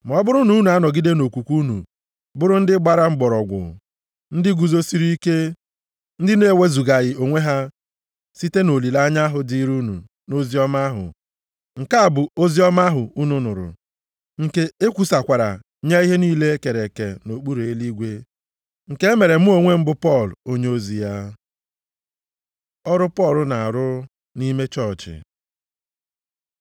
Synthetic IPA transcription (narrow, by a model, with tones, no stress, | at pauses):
m˨ɔ˦bʊ˦ɾʊ˦nu˦nu˨a˦nɔ˨ɡi˦de˦no˨kʷu˨kʷu˦nṵ˨ | bʊ˦ɾʊ˦n̩˦dɪ˦ɡ͡ba˦ɾa˦ŋ͡m̩˦ɡ͡bɔ˨ɾɔ˨ɡʷʊ̰˨ | n̩˦dɪ˦ɡu˨zo˦si˦ɾi˦i˦ke˦ | n̩˦dɪ˦ne˦˨we˦zu˨ɡa˨ɣɪ˨o˨ŋʷe˦ɦa˦ | si˦te˦no˨li˨la˦ɲa˦ɦʊ˨di˦ɾu˦nṵ˨ | no˦zi˦ɔ˦ma˦ɦʊ̰˨ | ŋ̩˨ka˦a˨bʊ˨o˦zi˦ɔ˦ma˦ɦʊ˨u˦nu˨nʊ̰˨ɾʊ̰˨ | ŋ̩˨ke˦e˦kʷu˨sa˨kʷa˨ɾa̰˨ | ɲa˦i˦ɦe˦niː˦le˦ke˨ɾe˨ke˨no˨k͡pu˦ɾe˨e˦li˦ɡʷe˦ | ŋ̩˨ke˦e˦me˨ɾe˨mʊ˦o˦ŋʷe˦m̩˦bʊ˦pɔ˦˨lo˦ɲe˦o˦zi˨ja˦ | ɔ˦ɾʊ˦pɔ˦˨lʊ˨na˨a˨ɾʊ˦ | ni˦me˦t͡ʃɔ˦ɾt͡ʃɪ̰˨